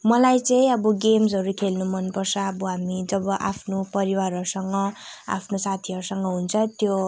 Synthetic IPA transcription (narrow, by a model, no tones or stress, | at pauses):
mʌlajt͡sʌj̃ʌbʌɡemsɦʌɾukʰelnumʌnpʌrt͡sʰʌːbʌɦamid͡zʌbʌʔapʰnopʌɾiwarʌɾusʌŋɡʌa̰pʰnosat̪ʰiʌɾusʌŋɡʌɦunt͡sʰʌt̪jo